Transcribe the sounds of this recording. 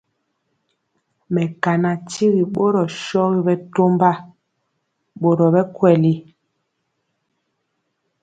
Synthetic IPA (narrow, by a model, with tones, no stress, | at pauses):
mɛ˨ka˨na˨ti˦ɣi˨ɓo˦ɾɔ˨ʃɔ˦ɣi˦bɛ˦to˦mba˦ | ɓo˨ɾɔ˨bɛ˦kwɛ˨li˦